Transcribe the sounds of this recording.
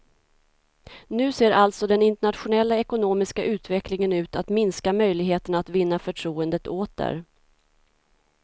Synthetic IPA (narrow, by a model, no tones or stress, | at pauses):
nʉ̟ːseːɾʔalt̪sɔd̪ɛnɪnt̪ɛɳat̪ɧʊnɛlːaɛkʊnoːmɪskaʔʉ̟ːt̪vɛklɪŋənʉ̟ːt̪at̪mɪnskamœjlɪɡɦeːt̪əɳat̪vɪnːafœʈʰɾuːənd̪ət̪oːt̪̚d̪ə̰ɾ